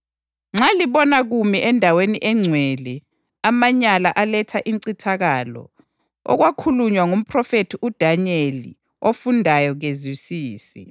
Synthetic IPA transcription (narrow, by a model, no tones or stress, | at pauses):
ŋ͡ǁʱaliβɔnaɣumiʔɛndʱaweniʔɛŋ͡ǀʱwɛlɛ | amaɲalaʔalɛtʰaʔinǀitʰaɣalɔ̰ | ɔ̰ɣwakʰuluɲwaŋum̩pʰrɔfetʰiʔud̥ʱaɲelḭ | ofundʱajɔɣezisiːsḭ